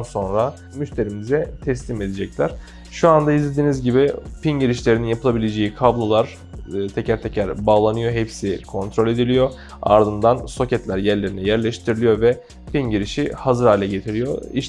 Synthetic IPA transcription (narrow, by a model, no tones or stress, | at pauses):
nso̞nɾa | myʃt̪ʰe̞ɾimizɛt̪ʰɛslʲime̞d̪ed͡ʒɛclʲæɾ̥ | ʃuand̪aizlʲe̞d̪iːnizɟibipinɟiɾiʃlʲe̞ɾininjapʰɯlˠabilʲe̞d͡ʒe̞jikʰablˠalˠaɾ̥ | t̪ʰecʰæɾt̪ʰecʰæɾbaːlˠanɯjoɦepsikʰo̞nt̪ɾolʲe̞d̪ilʲijo̞ | a̰ɾd̪ɯnd̪anso̞cɛt̪lʲæɾjæɾlʲe̞ɾinɛjæɾlʲɛʃt̪ʰiɾilijo̞vɛ | pinɟiɾiʃihazɯɾhaːlʲɛɟe̞t̪ʰiɾijo̞̰ḭʃ